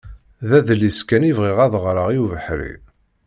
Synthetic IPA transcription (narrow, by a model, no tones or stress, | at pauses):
ðæðəlːiskænivʁiʁæðʁɾəʁjuvəħɾḭ